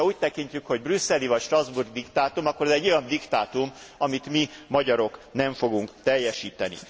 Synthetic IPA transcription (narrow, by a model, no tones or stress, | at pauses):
ɒuːc̚t̪ɛkiɲcykho̞ɟbrysːɛlivɒcʃt̪rɒzburɡd̪ikt̪aːt̪umɒkːo̞ɾɒzɛɟːo̞jɒnd̪ikt̪aːt̪um | ɒmit̪mimɒɟɒɾo̞knɛɱfo̞ɡuŋkt̪ɛjːɛʃiːt̪ɛnḭ